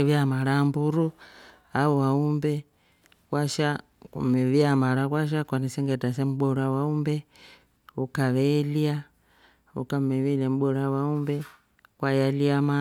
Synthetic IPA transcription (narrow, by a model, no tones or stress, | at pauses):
βjamaɾambuɾu | auwaumbɛ | kwaʃa | kṵmɛβiamaɾakwaʃ̬akwanisɛŋɡɛtas̬ɛm̩ɓɔɾawaumbɛ | ukaʋɛlia | ṵkamɛβilɛm̩ɓɔɾawaumbɛ | kwajaliama